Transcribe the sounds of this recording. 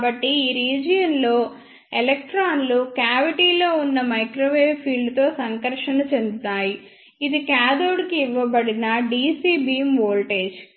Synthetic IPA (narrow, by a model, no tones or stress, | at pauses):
bɐʈːiiːɾiːd͡ʒɐjɐnlo̞ː | elɐk̚ʈɾaːnlukaːʋiʈiːlo̞ːunːɐmɐjkɾoːʋeːʋpʰiːɭɖt̪o̞ːsɐŋkɐɾʂɐnɐt͡ʃe̞nd̪ut̪aːji | id̪ikaːd̪oːɽkiːʋːɐbɐɽinɐɖiːsiːbiːmʋoːlʈe̞ːd͡ʒ